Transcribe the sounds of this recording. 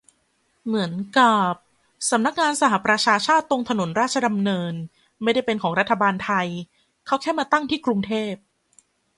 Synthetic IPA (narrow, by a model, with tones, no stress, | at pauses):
mɯ˩˦ənka˨˩p̚ | sa˩˦mna˦˥k̚ŋaː˧nsa˧˥ɦa˨˩pɾa˧t͡ɕʰaː˧t͡ɕʰaː˥˩t̪ːo˧ŋt̪ʰa˧no˩˦nɾaː˥˩t̚t͡ɕʰa˧da˧mnɤː˧n | ma˥˩jda˥˩jpe˧nkʰɔː˩˦ŋɾa˦˥t̪ʰːa˧baː˧nt̪ʰa˧j | kʰa˦˥˩wkʰɛː˥˩maː˧t̪a˥˩ŋt̪ʰiː˥˩kɾu˧ŋt̪ʰeː˥˩p̚